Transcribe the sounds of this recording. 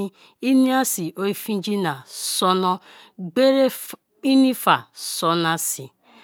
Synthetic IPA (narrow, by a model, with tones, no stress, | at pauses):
i˦ | i˦ni˦a˦si˨ʔo˦i˦fĩ˦d͡ʒi˦na˨sɔ˦nɔ˦ | ɡ͡be˦ɾe˦ | i˦ni˦fa˨sɔ˨na˦si˨